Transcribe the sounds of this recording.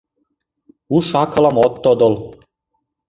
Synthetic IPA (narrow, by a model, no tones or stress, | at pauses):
uʃɑkɤ̆lɑmot̪ːod̪ol